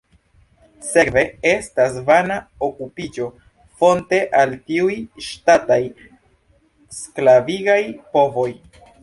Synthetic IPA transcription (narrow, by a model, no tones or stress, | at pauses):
se̞kve̞e̞stasvanaokupid͡ʒo̞ | fo̞nte̞ʔaltiujʃtataj | sklaviɡajpo̞vo̞j